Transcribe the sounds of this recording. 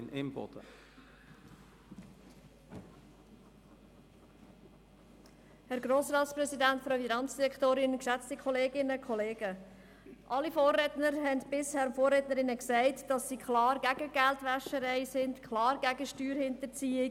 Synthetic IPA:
nɪ̰mb̥ɔ̰d̥̪ə | hɛɾɡɾoːsɾɑːtsprɛsidæntfɾɑfinɑnt͡sd̥iɾɛktoːɾɪnkʃɛt͡stikʰχɔleːɡɪnəkʰɔleːɡ̥ə | ʔɑlifoːrːɛtnəɾɦɛndb̥ɪshɛɾfoːrɛtnəɾɪnəksɛɪtd̥ɑsːikχlɑːɾɡæɡ̥əɡ̥æltʋɛʃəɾɛɪsɪndkʰlɑːɾɡæɡəʃtyːɾhɪntəɾt͡siːɪ

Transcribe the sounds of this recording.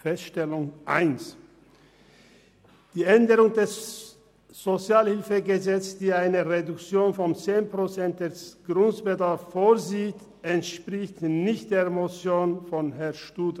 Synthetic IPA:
fɛstʃtɛlʊŋʔa̰ɪns | d̥iːʔɛndəʁʊŋdɛs | z̥ot͡sjaːlhɪlfəɡəzɛt͡sd̥iːaɪnəʁedʊkt͡sjoːnfɔnt͡seːnpʁ̥ot͡sɛnt̚d̥ɛsɡ̥ʁʊntb̥ədaɐfːoːɐziːt | ʔɛntʃpʁ̥ɪçtnɪçt̚d̥eːɐmot͡sjoːnfɔnɦɛɐʃtuːd

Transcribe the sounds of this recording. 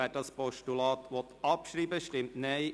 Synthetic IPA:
æːdɑspɔʃtulɑːt̪ʋɔt̪ɑpʃriːbəʃtɪmtnɛɪ

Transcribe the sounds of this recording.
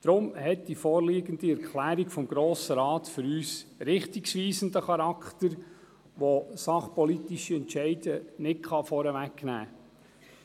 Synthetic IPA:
d̥ɾʊmhɛt̚d̥ifɔːɾliːɡənd̥iɛɾkχlæːɾikfɔmɡ̥ɾoːsəɾɑːtfʏɾyːsɾɪχtiksʋiːsənd̪əχɑɾɑkχt̪əɾ | ʋosɑχpɔlitiʃiɛntt͡ʃɛɪdənɪtkχɑfɔɾəʋækːnæ̰ː

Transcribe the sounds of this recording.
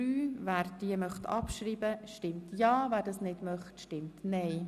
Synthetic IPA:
yːvæːɾd̥iəmœχt̪ɑpʃɾiːbəʃtɪmtjɑːvæːɾdɑːsnɪdmœχtʃtɪmtnɛɪ

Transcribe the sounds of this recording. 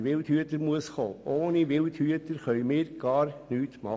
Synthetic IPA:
ʋɪlt̪hyət̪əɾmuəsχoːʔoːniʋɪlt̪hyətəɾχœʏmɪːɾɡ̥ɑːrnyːtmɑ

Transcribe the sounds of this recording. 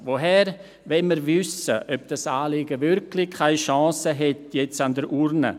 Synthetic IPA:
voɦɛɾ | vɛməɾvʏsəʔœp̚d̥asaːlɪɡəvʏɾkʰlɪkʰaɪʃɑ̃ːsəɦɛtjɛt͡sandəɾʔuɾnə̰

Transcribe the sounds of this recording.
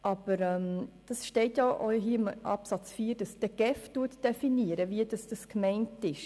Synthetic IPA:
ʔɑb̥əɾɛmd̥ɑsʃtɛɪtjaʔɔɦiːɪmʔɑ̰psɑt͡sfiːɾd̥ɑsd̥əɡ̥ɛftuətd̥ɛfiniəɾəviədɑsd̥ɑskmɛɪntɪʃ

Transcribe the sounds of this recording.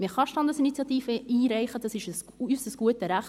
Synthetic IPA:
mɪχɑʃtɑndəsinit͡sjɑtiːfəiːɾɛɪχəd̥ɑsɪʃəs | ysəsɡ̥uətəɾæχ

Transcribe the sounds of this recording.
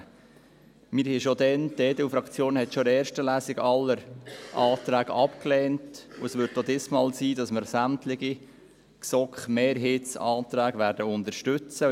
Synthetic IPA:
mɪɾhɛʃodɛndɛːdəufɾɑkt͡sjoːnhɛtʃoɛːɾʃtəlæːsɪɡɑlːəɾʔɑːt̪ɾæːɡɑpklɛːntuəsʋʏɾtːodɪsmɑːlsiːdɑsməɾsæmtlɪɡi | ksɔkχmeːɾɦetsɑːt̪ɾæːɡ̥ʋæːɾdəʊndəɾʃtʉt͡sə

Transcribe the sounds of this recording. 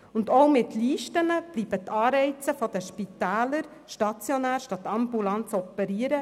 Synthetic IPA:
ʊnd̪owmɪt̪liːʃtənəb̥liːbət̪ʰɑːɾɛɪt͡səfɔd̥̪əʃpit̪æːləɾ | ʃtɑt͡sjɔnæːɾʃtɑt̪ːɑmbulɑnt͡sɔpɛɾiəɾə

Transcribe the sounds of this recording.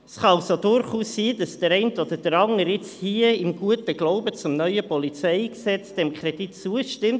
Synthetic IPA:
ɛsχɑsodʊɾχuːsːiːd̥ɑsd̥əɾɛɪntod̥əd̥əɾɑŋəɾɪt͡shiəɪmɡuətəɡ̥loʊbət͡sʊmnœʏəpɔlit͡sɛɪksɛt͡sd̥ɛmkʰɾɛd̥itt͡suəʃtɪmt

